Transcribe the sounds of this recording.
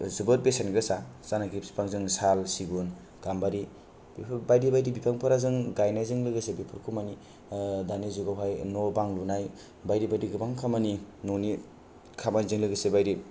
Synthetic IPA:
zɯbɯt̚besanɡɾɯsazanaɡipsi̥pʰaŋzɯŋsalsiɡun | ɡ̥ambaɾi | bʰbajdibajdibipʰaŋpʰɯɾazɯŋɡajnajzɯŋlɯɡɯsebipʰɯɾkʰumani | danizuɡawɦajnɔbaŋlunaj | bajdibajdiɡɯpaŋkʰamaninɔni | kʰamanzɯŋlɯɡɯsebajɾi

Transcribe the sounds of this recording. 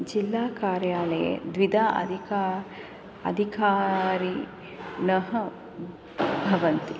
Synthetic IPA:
d͡ʒilːaːkaːɾjaːlɐjḛd̪ʋid̪ʱaːʔɐ̰d̪ʱikaː | ɐ̰d̪ʱikaːɾi | nɐɦɐ̆ | bʱɐʋɐnt̪i

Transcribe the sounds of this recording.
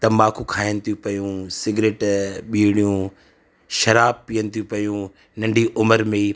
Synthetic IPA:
t̪ɐmaːkʰũkʰaːjənɪ̆t̪ʰijũpɐjũsɪɡɾeːʈɓiːɽ̃ijũ | ʃɐɾaːb̚piːənɪ̆t̪ʰjũpɐjũ | nɐ̃ɳɖʱiʔʊməɾmẽ

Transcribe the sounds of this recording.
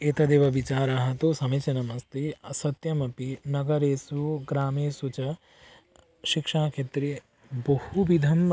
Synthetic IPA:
eːt̪ɐd̪eːʋɐʋit͡ʃaːɾaːɦɐt̪osɐmɐt͡ʃɐnɐmɐst̪eɐsɐt̪jɐmɐpinɐɡɐɾeːsuɡɾaːmeːsut͡ʃɐ | ʃikʂaːkʰeːt̪ɾi | bɐhubid̪ʱɐm

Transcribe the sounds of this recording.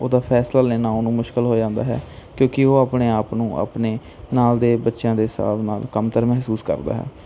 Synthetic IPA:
oːd̪aːpʰɛːslaːleːnãːnũːmʊʃkəlɦoːd͡ʒãːnd̪a̰ːɦɛ̰ːkjõːkɪoːaːpɳeːaːpnũːʔa̰ːpneː | naːld̪eːbətːʃjãːd̪eːɦsa̰ːbnaːlkəmt̪əɾmɛɦsuːskə̰ɾd̪a̰ːɦɛ̰ː

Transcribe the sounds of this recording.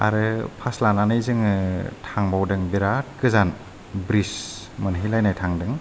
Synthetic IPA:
a̰ɾɯpʰaslananɯjzɯŋɯtʰaŋbawdɯŋbiɾakɯzan | bɾis | mɯnɦilajnajtʰaŋdɯŋ

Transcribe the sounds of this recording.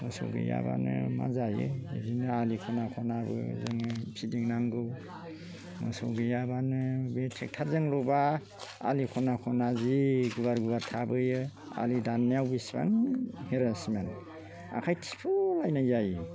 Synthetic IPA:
mɯsɔ̰ɡɯ̰ja̰ba̰nɯma̰zajɯebinɯalikʰɔnakʰɔnabɯ̰zɯŋpʰidiŋnaŋɡɯw | mɯ̰sɔ̰ɡɯjabanɯbetʰek̚tʰaɾzɯŋlɔba̰ː | likʰɔnakʰɔnaziɡubaɾɡubaɾtʰabɯjɯ | a̰lidaneawbisba̰ŋheɾasmen | a̰kʰajtʰi̥pʰɯlajnajzajɯ

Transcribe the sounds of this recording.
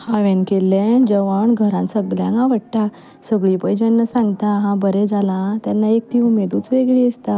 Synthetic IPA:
haʋẽnkelːẽd͡ʑəʋəɳɡʱəɾãnsəɡljã̰ŋɡãʋəɽʈ̪a | səɡɭipəjd͡ʑanːəsãŋɡt̪aɦãbəɾɛd͡zalãt̪janːaek̚t̪ʰiumed̪uːt͡sʋeɡɭiəst̪a

